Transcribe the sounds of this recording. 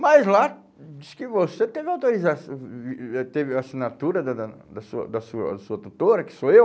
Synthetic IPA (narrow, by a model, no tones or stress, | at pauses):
mɐzla | d͡ʒiskɪvoset̪evɪawt̪oɾizasiɛt̪evɪasinat̪uɾɐd̪ɐd̪ɐ | d̪ɐsuɐ̰d̪ɐsuɐ̰suɐt̪ut̪oɾɐkɪ̥soew